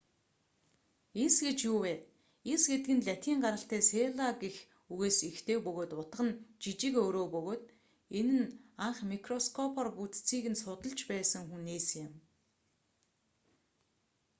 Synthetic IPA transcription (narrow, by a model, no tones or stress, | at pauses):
isɡet͡ɕjuːwæː | isɡet̪ɘ̆ɡɘ̆nɮʲat̪ʰiːɴɢaɾə̆ɬt̪æːseːɮaɡex | uɣeːsixt̪ʰeːpɵɣoːt̪ʊt̪̆ə̆nt͡ɕit͡ɕɪ̆koːɾoːpɵɣoːt̪ | enɘ̆naɴχmikʰrɔskʰɔpʰɔrput͡s̪t͡sʰiːɣɘ̆nsʊt̪ə̆ɮt͡ɕpæːsə̆ŋxuneːsjɪ̆m